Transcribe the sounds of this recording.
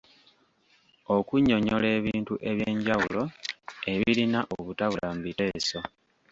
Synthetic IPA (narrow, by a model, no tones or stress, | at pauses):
o̞kuɲo̞ɲo̞le̞ːβiːntuʔe̞βjeːɲɟawulo̞e̞βilinaʔoβutaβulambite̞ːso̞